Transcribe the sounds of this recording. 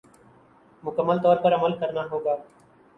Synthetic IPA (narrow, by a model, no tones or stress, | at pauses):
mʊkəmːəlt̪ɔːɾpɐɾɐməlkɐɾnaɦoːɡaː